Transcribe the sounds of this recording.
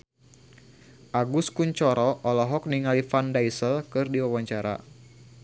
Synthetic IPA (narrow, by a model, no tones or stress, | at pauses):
ʔaɡuskuɲt͡ʃɔɾɔʔɔlɔɦɔk̚niŋalifandaisəlkɨrdiwawaɲt͡ʃaɾa̰